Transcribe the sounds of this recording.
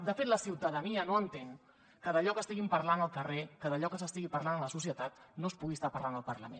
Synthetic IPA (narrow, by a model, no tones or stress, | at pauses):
d̪əfet̪ləsiwt̪əðəniənoənt̪eŋ | kəðəʎɔkəst̪iɣimpəɾlanəlˠkərekəðəʎɔkəsəst̪iɣipəɾlanələsus̬iət̪at̪̚nospuɣist̪apəɾland̪əlˠpəɾlə̰mẽ